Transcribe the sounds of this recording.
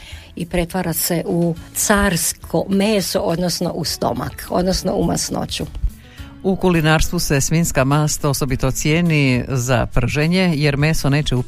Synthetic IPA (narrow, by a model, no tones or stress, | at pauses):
ipɾe̞t̪ʋaɾaseʔut̪saːɾskʰomeːsoʔod̪nosno̰ʔust̪o̰ma̰ko̞̰d̪nosno̰uma̰sno̰t͡ɕu | ukulinaːɾst̪ʋuse̞sminskamast̪ao̞so̞bit̪ot̪sjeːniza̰pr̩ʒeɲe̞je̞ɾme̞ːsone̞ːt͡ɕeu